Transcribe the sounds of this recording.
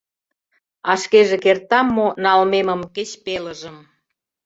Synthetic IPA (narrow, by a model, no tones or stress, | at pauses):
ɑʃkeʒekert̪ɑmːonɑlmeməmket͡ɕpeləʒəm